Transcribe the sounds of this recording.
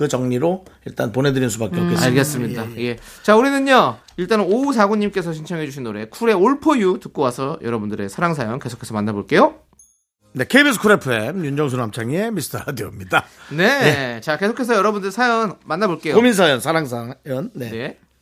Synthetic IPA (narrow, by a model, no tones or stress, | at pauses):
kɯt͡ɕʌŋɲiɾoiɭt͈anpone̞dɯɾinsʰubakeokk͈ːeaɭɡes͈ɯmɲidaje̞t͡ɕauɾinɯɲɲʌ | iɭt͈anousʰaɡuɲːimk͈e̞s̬ʰʌɕʰint͡ɕʰʌŋɦe̞d͡ʑuɕ̬ʰinːoɾe̞kʰuɾe̞oɭpʰojutɯk͈̚owasʰʌjʌɾʌbundɯɾe̞sʰaɾaŋs̬ʰajʌnke̞sʰo̥kʰe̞sʰʌmanːaboɭk͈e̞jo | ne̞kʰeibisʰkʰuɾepʰɯemjund͡ʑʌŋsʰonamt͡ɕʰaŋie̞misʰtʰadiʌmɲidane̞et͡ɕake̞sʰokʰe̞s̬ʰʌjʌɾʌbundɯɭsʰajʌnmanːaboɭk͈e̞jokomins̬ʰajʌnsʰaɾaŋsʰajʌnːe̞ne̞